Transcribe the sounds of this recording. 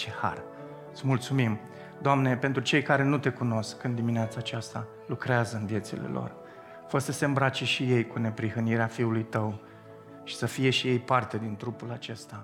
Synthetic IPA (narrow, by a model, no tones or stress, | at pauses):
t͡ʃeha̰r | ɨt̪sʲmult̪sumim | d̪oamne̞pe̞nt̪ɾut͡ʃe̞jkaɾe̞nut̪e̞kuno̞skɨnd̪imineat̪saːt͡ʃast̪a | lukɾeazəɨnvje̞t̪sḛle̞̰lo̰r | fərsəse̞ɨmbɾat͡ʃe̞ʃije̞jkune̞pɾihəniɾeafiulujt̪əw | ʃi̥səfije̞ʃije̞jpart̪e̞d̪int̪ɾupulat͡ʃe̞st̪a